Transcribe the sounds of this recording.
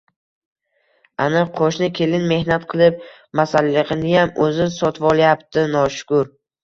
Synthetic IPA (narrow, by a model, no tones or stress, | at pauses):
anɪqʰoʃnɪkʲʰe̞lɪnme̞hnat̪qʰɨlˠɪp̚ | masalːɪqɪnɪjamɵzɪsɒt̪ʰvɒlˠjapt̪ʰɪnɒʃʊ̥kʊɾ